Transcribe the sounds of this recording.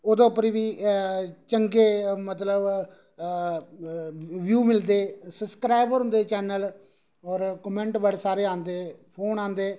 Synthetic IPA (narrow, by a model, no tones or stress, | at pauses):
oːd̪õːpəɾiːʋiː | t͡ʃəŋɡeːmət̪ləb | ʋjuːmɪld̪eːsəbskɾaːɪbɾɦʊ̃nd̪eːt͡ʃɛːnəl | ɔːɾkəmɛ̃ːɳʈbəɽesaːɾeːãːnd̪eːpʰoːnãːnd̪eː